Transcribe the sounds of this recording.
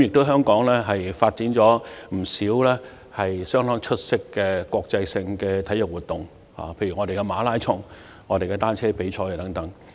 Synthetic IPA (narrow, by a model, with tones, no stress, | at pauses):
mjɪ˨k̚t̪o˥wɦœː˥ŋkɔː˨˥ŋlɛː˥ɦɐ˨jfaː˧t̚t͡siː˨˥nt͡ʃɔː˨˥m̩˨˩siː˨˥wlɛː˥ | hɐ˨jsœː˥ŋt̪ɔː˥ŋt͡ʃʰɵ˥t̚sɪ˥kːɛː˧kʷɔː˧k̚t͡sɐ˧jsɪ˧ŋkɛː˧t̪ʰɐ˨˥jɵ˨˩wuː˨˩t̪̚ʊ˨˩ŋ | ha̰ː˨pʰe˧jɥy˨˩ŋɔː˨˧ɾe˨kɛ˧maː˨˧laː˥jt͡ʃʰʊ˧˩ŋ | ŋɔː˨˧ɾe˨jkɛ˧t̪aː˥nt͡ʃʰɛː˥pe˨˥jt͡sʰɔː˧jɛ˨˩t̪ɐ˨˥ŋt̪ɐ˨˥ŋ